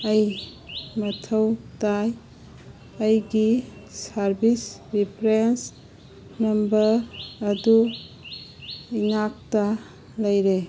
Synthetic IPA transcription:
ɐj | mɐtʰəwtaj | ɐjɡisaɾbisɾipʰɾens | nɐmbəɾɐdu | iŋak̚ta | lɐjɾe

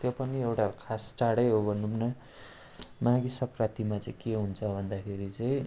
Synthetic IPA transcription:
t̪jopʌniewʈakʰast͡saɽʌjɦobʱʌnːumnʌ | mãɡisʌkrat̪imat͡sʌĩkeɦunt͡sʰʌbʱʌnd̪akʰeɾit͡saĩ

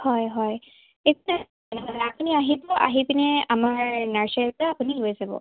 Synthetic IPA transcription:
hɔjɦɔj | ekna | nalɛapuniaɦibɔʔa̰ɦibinɛamaɹnaɹsɛltaapunilojzabɔ̰

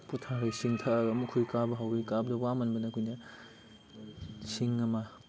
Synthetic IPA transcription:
putʰaɾajsiŋtʰaaɡɐmukʰujkabɐɦawɾijkab̚dɐwamɐnbɐnɐkʰujnɐ | siŋɐmɐ

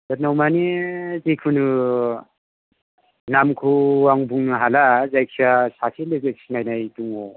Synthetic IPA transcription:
dat̚nawmanizikʰunɯ | namkʰuwaŋbuŋnɯɦalazajkʰiasasʰilɯzek̚sʰinajnajtuŋɔ

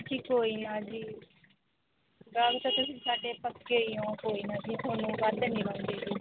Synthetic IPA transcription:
d͡ʒiːkoːiːnaːd͡ʒiː | ɡəkt̪aːt̪ʊsĩːsaːɖeːpəkːeiːõːkoːiːnaːd͡ʒiːt̪oːnũːʋaːd̪nĩːbə̃nd̪eːd͡ʒiː

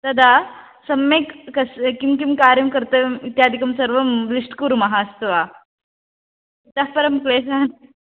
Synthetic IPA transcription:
t̪ɐd̪a | sɐmːekkɐskimkimkaːɾjɐmkɐɾt̪əmit̪jaːd̪ʱikɐmsɐɾʋɐmlisʈkuɾmɐɦaːst̪ʋa | t̪ɐɦpɐɾɐmkleːsaːn

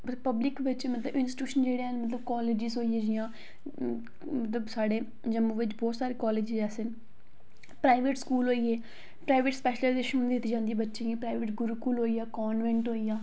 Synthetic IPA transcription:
məpəblɪkʋɪt͡ʃmət̪ləbɪnsʈjuːʃənd͡ʒeːɽeːɦənmət̪ləb̚kɔːleːd͡ʒɪzɦoːieːd͡ʒiãː | mət̪ləbsaːɽeː | d͡ʒəmːõːʋɪt͡ʃbɔːt̪saːɾeːkɔːleːd͡ʒɪzɛːsɪn | pɾaːɪʋeʈskuːlɦoːiːeː | pɾaːɪʋeʈspɛːʃlaːzeːʃʊnd̪ɪt̪ːiːd͡ʒãːnd̪iebətːʃẽːɡipɾaːɪʋeʈɡʊɾuːkuːlɦoːiːaːkɔːnʋɛ̃ːɳʈɦoːiːaː

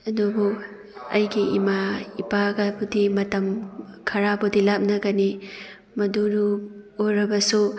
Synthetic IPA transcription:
ɐdubu | ɐ̰jɡiimaipaɡɐbudimɐtɐmkʰɐɾabudilap̚nɐɡɐni | mɐdunuoɾɐbɐsu

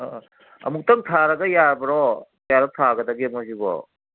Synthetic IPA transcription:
ɐ̰muk̚tɐŋtʰaɾɐɡɐjaɾbɐɾɔ | jaɾɔtʰaɡɐdɐɡimojsibɔ̰

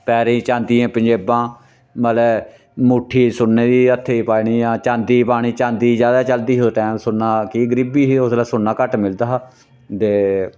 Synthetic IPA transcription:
pɛːɾẽːt͡ʃãːnd̪iːẽːpəɲd͡ʒeːbãː | məlɛː | muʈʰːiːsʊnːeːd̪iːət̪ʰːeːipaːiɳiːjãːt͡ʃãːnd̪iːpaːɽ̃iːt͡ʃãːnd̪iːzjaːd̪aːt͡ʃəld̪iːɦoʈɛːmsʊnːaːkiːɡəɾiːbiːioslaːsʊnːaːkəʈmɪld̪aː | t̪eː

